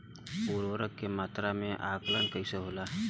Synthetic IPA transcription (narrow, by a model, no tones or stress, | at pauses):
puɾʋəɾəkːemat̪ɾameʔaklənkəjsəɦola